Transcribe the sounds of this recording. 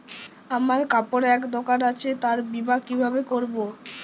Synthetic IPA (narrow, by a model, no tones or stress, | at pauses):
amaɾkapoɾɛkd̪okanat͡ɕʰet̪aɾbibakibʱabekoɾbo